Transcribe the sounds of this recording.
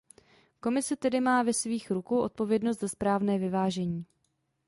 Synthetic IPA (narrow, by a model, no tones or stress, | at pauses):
ko̞mɪsɛt̪ɛdɪmaːvɛsviːxɾukowʔo̞t̪̚po̞vjɛdnos̬t̪zaspɾaːvnɛːvɪvaːʒɛɲiː